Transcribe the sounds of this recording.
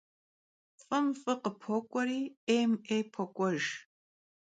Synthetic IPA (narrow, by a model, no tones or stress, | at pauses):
fʼɨmfʼɨqəpʰokʷʼɔɾiːejmejpʰokʷʼɔʒ